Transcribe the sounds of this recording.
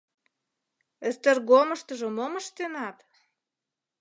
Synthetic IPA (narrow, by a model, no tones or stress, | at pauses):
əst̪ə̆rɣoməʃt̪əʒə̆moməʃt̪enɑt̪